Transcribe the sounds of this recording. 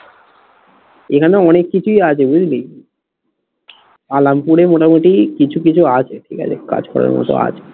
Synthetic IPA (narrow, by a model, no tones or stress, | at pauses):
ekʰaneɔnekːit͡ɕʰujat͡ɕʰebud͡ʑlij | palampuɾemoʈamuʈikit͡ɕʰukit͡ɕʰuat͡ɕʰeʈʰika̰t͡ɕʰeka̰d͡ʑkɔ̰ɾa̰ɾmɔ̰t̪o̰a̰t͡ɕʰe̥